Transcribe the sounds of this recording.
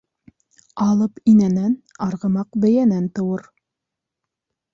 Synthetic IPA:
ɑlˠɤpinænænɑɾʁɤ̆mɑqbɘ̆jænænt̪ɤ̆wɤɾ

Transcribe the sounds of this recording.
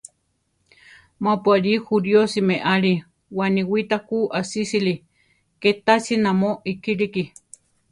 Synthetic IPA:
mapuaɾixuɾjosimeʔaɾi | waniwit̪akuʔasisili | ket̪asinamoʔikiɾiki

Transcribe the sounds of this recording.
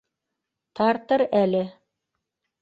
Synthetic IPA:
t̪ɑɾt̪ɤɾælɘ

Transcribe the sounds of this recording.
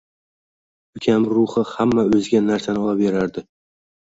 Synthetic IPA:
ʊkʲʰamɾʊhɨhamːaɵzɡʲanːaɾsanɪɒapeɾaɾd̪ɪ

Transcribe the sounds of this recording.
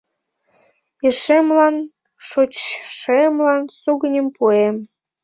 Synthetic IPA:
eʃemlɑn | ʃot͡ɕʃemlɑnsuɣənʲəmpuem

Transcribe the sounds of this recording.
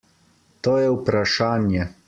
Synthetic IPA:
t̪oːjɛupɾaʃaːnjɛ

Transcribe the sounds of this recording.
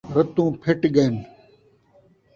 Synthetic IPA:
ɾɐt̪ũːpʰeʈɡɐn

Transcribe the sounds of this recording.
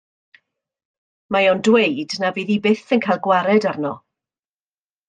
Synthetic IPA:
majɔndwejdnaviːðibɪθənkʰajlˠɡwaɾɛdarnɔ

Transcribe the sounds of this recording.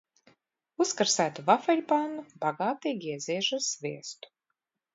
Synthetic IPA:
uskaɾsæːt̪uvafɛlʲpaːnubaɡaːt̪iːɡʲiɛzʲiɛʒasːvʲiɛst̪u̥

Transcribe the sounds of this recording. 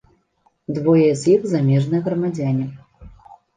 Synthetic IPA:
d̪vɔjɛzʲjiɣzamʲɛʐnɨjɛɣɾɐmad͡zʲanʲi

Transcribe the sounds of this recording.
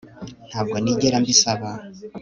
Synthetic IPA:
n̥haːb̚ɡoniɟeɾambisaβa

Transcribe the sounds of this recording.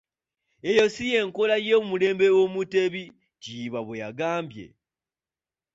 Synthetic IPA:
ejo̞sije̞ŋkolajemule̞ːmbe̞womuteβi | ciβaβweja̰ɡaːmbje̞̰

